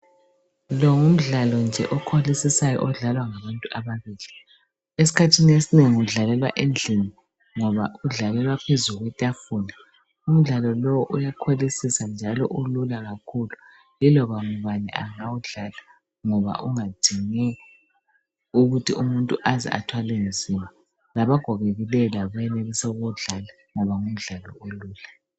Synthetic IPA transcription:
lɔŋum̩ɮalɔnd͡ʒʱɛʔɔkʰolisisajɔ̰ʔɔɮalwaŋaβantʼuʔaβaβili | es̬i̥kʰatʰiniesineŋiuɮalɛlwa̰ʔend͡ɮʱini | ŋɔβa̰uɮalɛlwapʰezuɣwɛtʼafuna | um̩ɮalɔlɔwɔʔujakʰolisisand͡ʒʱalɔ̰ʔululaɣakʰulu | lilɔβaŋuβanɛ̰aŋawuɮala | ŋɔβa̰ʔuŋad̥ʱiŋɛ | uɣutʰiumuntʼuʔazɛ̰a̰tʰwalend͡zʱima | laβaɡ̥ʱɔɣeɣilɛlaβajɛnelisɛuɣɔɮala | ŋɔβaŋum̩ɮalɔ̰uluːla

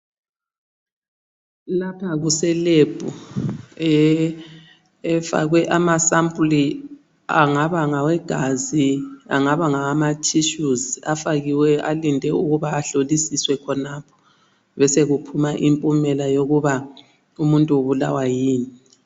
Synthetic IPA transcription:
lapʰaɣusɛleb̥ʱu | ɛ | fa̰ɣwɛʔamasampʼli | aŋaβaŋawɛɡ̥ʱaziaŋaβaŋaamatʰiʃuzafaɣiwɛalindʱɛuɣuβaːɬolisiswɛkʰɔnapʰɔ̥ | βɛseɣupʰumaʔimpʼumɛlajoɣuβa | umuntʼuoβula̰wajiːni

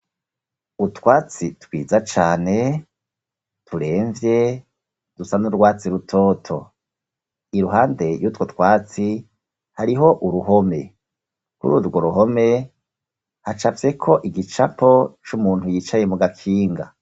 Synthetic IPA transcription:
utwaːt͡sitwiːzat͡ʃaːne̞ | tʰuɾe̞ːɱvje̞ | d̥usanuɾɡwaːt͡siɾutʰo̞ːtʰo̞̰ | iɾuɦaːnde̞jutwotkwaːt͡si | haɾiɦo̞ʔuɾuɦo̞me̞ | kṵɾuɾɡo̞ɾuɦo̞me̞ | hat͡ʃavje̞kʰo̞ʔiɡit͡ʃapʰo̞t͡ʃumuːn̥hujiːt͡ʃaje̞muɡakʰiːŋɡa

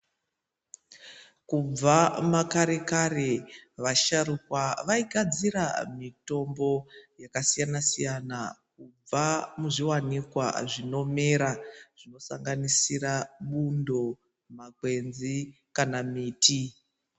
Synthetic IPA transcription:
kub͡vamakaɾe̞kareʋaʃarukwaʋaiɡʱad͡ziɾamito̞mbo̞jakasijanasijanakub͡vamuʐiwanikwa̰ʐino̞me̞ɾaʐ̥ino̞saŋɡanisiraɓundo̞ | makwe̞nzi | kanamiːtʰi

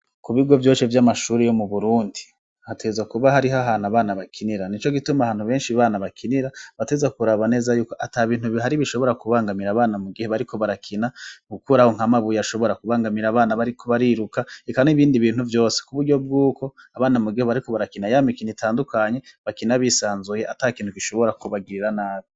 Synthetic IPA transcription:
kuβiɡo̞vjo̞ːʃevjamaʃuːɾejo̞muβuɾuːndi | hatʰezakuβaɦaɾiɦaɦanaβaːnaβakʰiniɾanit͡ʃo̞ɡitumahaːn̥uβe̞ːnʃiβaːnaβakʰiniɾaβatezakuɾaβane̞ːzajuːko̞ʔataβiːn̥huβhaɾiβiʃo̞βo̞ɾakuβaːŋɡamiɾaːβaːnamuɡiheβaɾiko̞βaɾakʰinaɡukuɾahoŋ̥hamaβujaʃo̞βo̞ɾakuβaːŋɡamiɾaβaːnaβaɾikʰoβaɾiɾukaekaniβiːndiβiːnhuvjo̞ːse̥kuβuɾɟo̞b̚ɡuːko̞aβaːnamuɡiheβaɾiko̞βaɾakinajamikinitʰaːndukaɲe̞βakinaβisaːnzujeʔatakiːntukiʃo̞βo̞ɾakuβaɡiɾiɾanaːβi

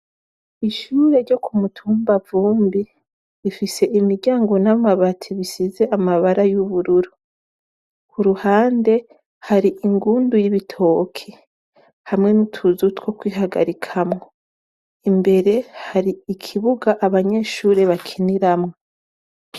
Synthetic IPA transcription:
iʃuːɾe̞ɾɟo̞kʰumutʰuːmbavuːmbi | ifise̞ʔimiɾɟaːŋɡo̞namaβatʰiβisize̞ʔamaβaɾajuβuɾuɾu | kuɾuhaːnde̞ | haɾiʔiŋɡuːndujiβitʰo̞kʰe | hamŋe̞nutʰuzutwo̞kwiːɦaɡa̰ɾikʰamŋo | imbe̞ɾe̞haɾiikʰiβuɡaʔaβaɲe̞ʃuːɾe̞βakʰiniɾamŋo

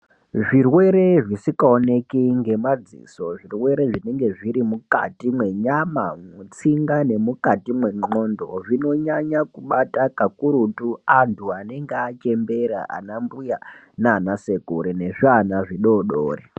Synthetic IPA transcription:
ʐirwe̞ɾe̞ʐisikaone̞kiŋɡe̞mad͡zḭso̞ʐirwe̞ɾe̞ʐine̞ŋɡe̞ʐiɾimuka̰timwe̞ɲamamut͡siŋɡane̞mukatimwe̞ŋ͡ǃo̞ndo̞ʐino̞ɲaɲakuɓatakakuɾutuantʰuane̞ŋɡeat͡ʃe̞mbe̞ɾa̰ʔa̰nambuja | naanase̞kuɾene̞ʐanaʐiɗoːɗo̰ːre

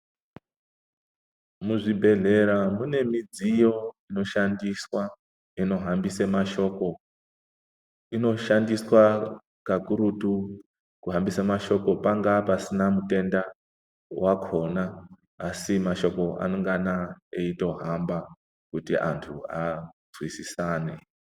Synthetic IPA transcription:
muʐibʱe̞ɮe̞ɾamune̞mid͡zijo̞ino̞ʃandiswa | ino̞ɦambisemaʃo̞ko | ino̞ʃandiswa | kakuɾutu | kuɦambisamaʃo̞ko̞paŋɡapasinamute̞nda | wakʰo̞naː | simaʃo̞ko̞a̰noŋɡanaeito̞ɦamba | kutiʔa̰ntʰuazwisisaːne̞̰

